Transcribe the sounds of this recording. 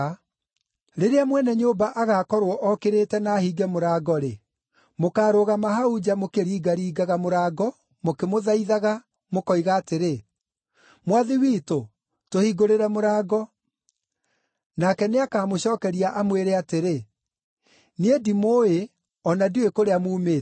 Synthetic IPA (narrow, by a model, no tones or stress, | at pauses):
ɾeɾeamwɛnɛɲobaʔaɣaːkɔɾwɔʔɔkeɾeːtɛnaːhiːɡɛmoɾaːɡɔɾe | mokaːɾoɣamaɦaud͡ʑamokeɾiːɡaɾiːɡaɣamoɾaːɡɔ | mokemoðaiðaɣa | mokɔiɣaːteɾe | mwaðiwiːto | tohiːɡoɾeɾɛmoɾaːɡɔ | nakɛneakaːmoɕɔːkɛɾiaʔamweɾeateɾe | niedimoe | ɔnadiwekoɾeamuːmeː